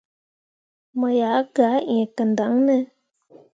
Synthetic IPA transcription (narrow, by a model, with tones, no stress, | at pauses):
mə˨ja˨˦ɡa˨˦ẽ˨kə˨nd̪a˨˦ŋnə˦